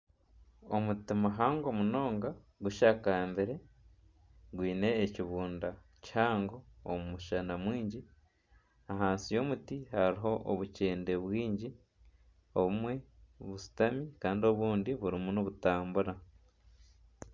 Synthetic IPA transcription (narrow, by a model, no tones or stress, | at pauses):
omutimaɦaːŋɡo̞muno̞ːŋɡa | ɡuʃakaːmbeɾe̞ | ɡwiːne̞ːciβuːnda | chaːŋɡo̞ːmumuʃanamwiːɲɟi | aɦaːnsijo̞ːmutihaɾiɦo̞ʔoβuceːnde̞βwiːɲɟi | o̞βumwe̞βusi̥tamikaːndio̞βuːndiβuɾimunoβutaːmbuɾa